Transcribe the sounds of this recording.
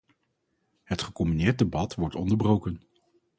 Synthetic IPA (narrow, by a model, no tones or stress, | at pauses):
ɦətχəkɔmbinɪːɹt̚debɑtʋɔɹtɔndəɹbrowkən